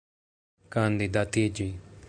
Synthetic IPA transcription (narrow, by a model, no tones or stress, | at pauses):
kãːnd̪id̪at̪id͡ʒi